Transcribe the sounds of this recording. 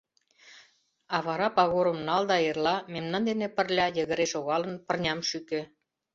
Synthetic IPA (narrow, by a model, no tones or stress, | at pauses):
ɑβɑɾɑpɑɣoɾə̆mnɑld̪ɑerlɑmemnɑnd̪enepə̆rlʲɑjə̆ɣə̆ɾeʃoɣɑlə̆npə̆rnʲɑmʃykĕ